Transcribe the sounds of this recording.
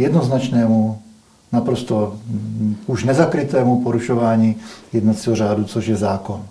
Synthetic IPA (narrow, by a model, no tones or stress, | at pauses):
jɛdnoznat͡ʃnɛːmu | napɾost̪o | uʒnɛzakɾit̪ɛːmupoɾuʃoʋaːɲiːjɛd̪nat̪t͡siɦoɾaːdut͡soʒjɛzaːkon